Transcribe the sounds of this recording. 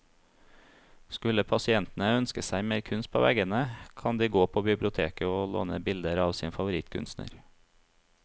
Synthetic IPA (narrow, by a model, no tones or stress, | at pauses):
skʉləpʰɑsɪɛnt̪n̩əœnskəsæɪmeːɾkʰʉnst̪̚pʰo̰ːʋʔɛɡənəkʰɑnd̪iːɡoːpʰoːbɪblɪʊt̪ʰḛːkəoːlo̰ːnəbɪld̪əɾɑːʋsiːnfɑʋʊɾɪt̪kʰʉ̰nst̪nə̰ɾ